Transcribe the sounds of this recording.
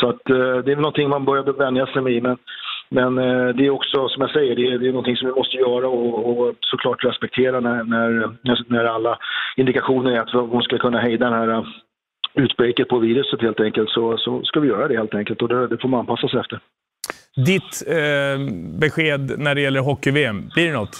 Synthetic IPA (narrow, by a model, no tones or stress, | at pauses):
sɔat̪ːd̪ɛɾvɛlɔnt̪ʰɪŋmanbœɾjad̪əvɛnd̪jasɛjmɛɪmɛnmɛnd̪ɛːɾɔksɔsɔmjaɡsɛjːəɖɛd̪ɛːnɔnt̪ʰɪŋsɔmvɪmɔst̪əjœːɾaɔːsɔkʰlɑːʈɾɛspɛk̚t̪ʰeːɾanænæɾnænæɾalːaɪnd̪ɪkaɧuːnəɾæɾat̪vhʊnskalkʰɵnːaɦɛjd̪ad̪ɛnhæːɾa | ʉ̟ːt̪bɾekət̪̚pʰɔviːɾɵsət̪heːlt̪ɛŋkəlt̪sɔsɔskavɪjœːɾad̪ɛheːlt̪ɛŋkəlt̪ɔd̪ɛd̪ɛfoɾmananpʰasːasɛft̪əɾ | d̪ɪt̪ | bɛɧeːd̪næɖɛjɛlːəɾɦɔkːɪveːmbliːɖɛnɔt̪ː